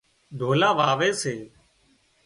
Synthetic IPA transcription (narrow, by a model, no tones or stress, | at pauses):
d̪ʱoːlaːʋaːʋeːseː